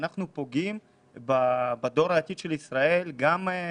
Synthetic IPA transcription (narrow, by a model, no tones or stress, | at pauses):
naχnupo̞ɡim | babad̪o̞ɾaːt̪id̪ʃelisʁae̞lɡam